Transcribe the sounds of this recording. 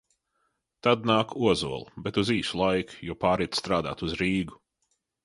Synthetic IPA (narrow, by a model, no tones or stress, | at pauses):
t̪ad̪naːkuɔzṵɔlˠubɛt̪uziːsulˠajkjuɔpaːɾit̪st̪ɾaːd̪a̰ːt̪uzɾiːɡu